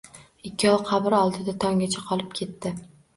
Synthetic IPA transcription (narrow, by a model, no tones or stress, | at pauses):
ɪkʲːɪɒlˠqʰɑbɪɾɒlˠd̪ɪd̪at̪ʰɒŋɡʲat͡ʃʰaqʰɒlˠɪp̚kʲʰe̞t̪ːɪ